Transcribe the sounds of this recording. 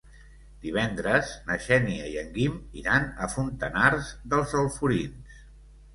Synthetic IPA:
d̪̥iβ̞ɛnd̪ɾəznəʃɛniəiəŋɡimḭɾanəfunt̪ənarzðəlˠzəlˠfuɾins

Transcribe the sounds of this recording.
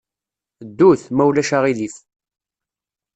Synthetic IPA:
d̪ːuθmæwlæʃaʁilif

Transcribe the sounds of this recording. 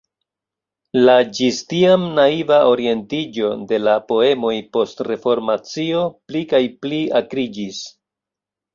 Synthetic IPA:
lad͡ʒistiamnaivao̞ɾie̞ntid͡ʒo̞de̞lapo̞e̞mo̞jpo̞stre̞fo̞ɾmat͡sio̞plikajpliakɾid͡ʒis

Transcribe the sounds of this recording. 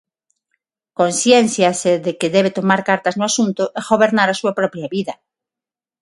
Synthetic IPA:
konsjɛnθjaseðekɪðɛβ̞et̪omaɾkaɾt̪ɐznʊasunt̪ʊʔeɣoβeɾnaɾasuapɾɔpɾjaβiðɐ

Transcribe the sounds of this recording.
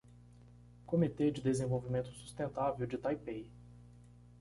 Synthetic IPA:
kõmit̪ed͡ʒɪd̪ezẽvowvimẽnt̪ʊ̥su̥st̪ẽnt̪avewd͡ʒɪt̪ajpej

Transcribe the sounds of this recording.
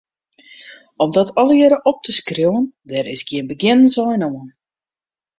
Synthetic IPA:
ɔmdɔtɔlˠəjɪɾəʔɔp̚tʰəskriwəndɛɾɪsɡiənbəɡɪnənsɔjnoən

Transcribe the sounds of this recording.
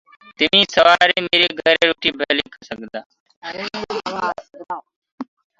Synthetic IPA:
t̪ɪmĩːsəʋaːɾeːmeːɾeːɡʱəɾeːɾuːʈiːbʱeːliːkʰəsəɡd̪aː

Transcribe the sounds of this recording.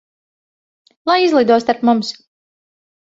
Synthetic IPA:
lˠajizlˠid̪uɔst̪aɾpmums

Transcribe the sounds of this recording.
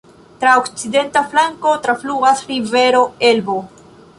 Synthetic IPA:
tɾaokt͡side̞ntaflaŋko̞tɾafluɡasɾive̞ɾo̞elbo

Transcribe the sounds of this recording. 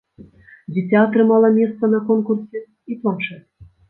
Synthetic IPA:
dʲitʲaɑt̪rɨmɑlˠɑmʲest̪ənɑkonkursʲe | it̪onʃe

